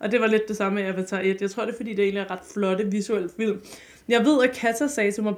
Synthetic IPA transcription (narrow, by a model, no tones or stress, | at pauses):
ʔɒ̽d̥e̝ʋɑ̈le̝d̥ːe̝sɑ̈məjɑʋet͡sʰɛ̰ːed̥jɑ̈ɪt͡sʰʁo̝ɐ̰ɾ̥e̝fɒdḭːd̥e̝e̝̰ːnliæɐʁɑ̈d̥flɒ̽ɾəʋisuel̰̥fil̰m | jɑ̈ɪʋe̝ð̰ˠækʰæt͡sʰɐsɛːt͡sʰelmɑ̈ɪ